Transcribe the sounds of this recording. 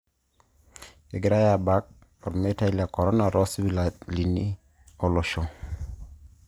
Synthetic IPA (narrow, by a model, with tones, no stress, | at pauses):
e˨ɡe˦ɾa˦ja˨ba˦k̚ | ɔ˨ɾme˦ta˦i˦la˨kɔ˨ɾɔ˦na˨ɾɔ˦swi˦la˨li˨ni˦ | o˦lɔ˨ʃo˨